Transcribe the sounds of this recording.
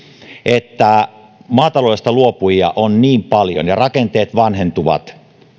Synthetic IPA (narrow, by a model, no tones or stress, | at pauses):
et̪ːæ | mɑːt̪ɑloist̪ɑluopujɑ̰ʔonniːmpɑljo̰njɑrɑkent̪eːt̪ʋɑnɦent̪uʋɑ̰t̪